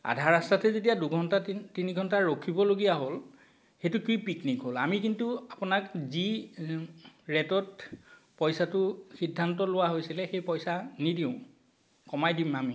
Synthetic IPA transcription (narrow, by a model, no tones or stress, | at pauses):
a̰dʱaɹastatɛzetijaduɡʱɔntatiniɡʱɔntaɹokʰibɔloɡijaɦol | xejtʊkɹipiknikɦolamikintuapʊnakzi | ɹɛtɔt | pɔjsatʊxidʱːantɔlʊwaɦojsilɛxejpɔjsanidiʊ̃ | kɔmajdimami